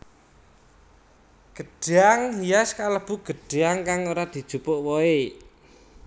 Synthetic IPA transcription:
ɡ̥ə̤ɖ̥eaŋɦijaskaləb̥ṳɡ̥ə̤ɖ̥eaŋkaŋoɾad̪̥i̤d̥ʒ̥ṳpoʔwɔe

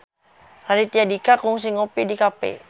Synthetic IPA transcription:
raɾit̪iadikakɔŋs̬iŋopidikapḛ

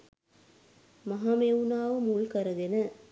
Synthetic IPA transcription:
mɐɦaːmewunaːʋəmulkɐɾɐɡenə

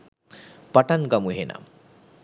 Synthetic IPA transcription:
paʈanɡamuɦena̰m

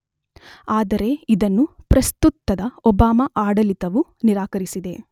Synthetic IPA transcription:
aːd̪ɐɾe̞id̪ɐnːupɾɐst̪ut̪ːɐd̪ɐɔbaːmɐʔaːɽɐlit̪ɐʋuniɾaːkɐɾisid̪e̞

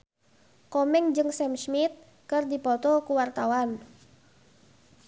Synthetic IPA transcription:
kɔmɛŋd͡ʒɨŋsɛmsmit̪̚ | kərdipɔt̪ɔkuwart̪awan

